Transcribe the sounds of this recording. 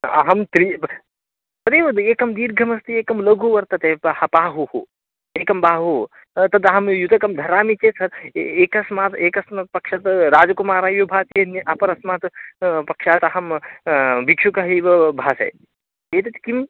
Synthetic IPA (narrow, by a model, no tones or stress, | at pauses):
ɐ̰ɦɐmt̪ɾi | t̪ɐɾeːʋɐd̪eːkɐmd̪iːɾɡʱɐmɐst̪ieːkɐmlɐɡʱuːʋɐɾt̪ɐt̪eːhɐpaːɦuhṵ | eːkɐmbaːɦu | t̪ɐd̪ɐɦɐmjut̪ɐkɐmd̪ʱɐɾaːmit͡ʃeːsɐɾeːkɐsmaːt̪eːkɐsmat̪̚pɐkʃat̪ɾaːd͡ʒɐkumaːɾaːjubʱaːt̪ɐnʔɐpɐɾɐsmaːt̪pɐkʃaːt̪ɐɦɐm | bikʂukɐɦiːʋɐbʱaːsɐ̰j | eːt̪ɐt̪i̥kim